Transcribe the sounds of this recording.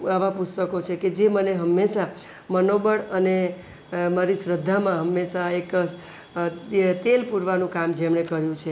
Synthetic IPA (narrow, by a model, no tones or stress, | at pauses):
aʋapʊst̪əkot͡ʃʰeked͡ʒeməneɦəmːeʃa | mənobəɽəne | maɾisɾəd̪ʱːamãɦəmːeʃaek | t̪elpuɾʋanũkamd͡ʒemɳekəɾjũt͡ʃʰe